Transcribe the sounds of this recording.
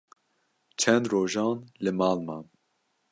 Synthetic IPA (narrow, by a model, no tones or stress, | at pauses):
t͡ʃʰɛnd̪roːʒɑːnlɨmɑːlmɑːn